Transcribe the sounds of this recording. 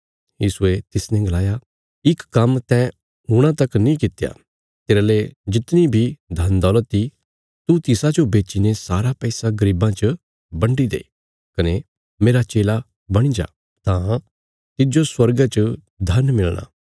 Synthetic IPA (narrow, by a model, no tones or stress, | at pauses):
jiːsuet̪ɪsnɛ̃ɡɐlaːja | ɪkːɐmt̪ɛ̃ | ʊɽ̃ãt̪ɐknĩkɪt̪ja̰ | t̪eːɾaled͡ʒɪt̪nibʱid̪ʱɐnd̪ɔːlət̪i | t̪ut̪ɪsad͡ʒobeːt͡ʃinesaːɾapɛːsaɡɐɾiːbãt͡ʃə | bɐ̃ɳɖid̪ḛː | kɐne | meːɾat͡ʃeːla | bɐɽ̃id͡ʒa̰ː | t̪ãː | t̪ɪd͡ʒoswɐɾɡat͡ʃə | d̪ʱɐnmɪlɽ̃a̰ː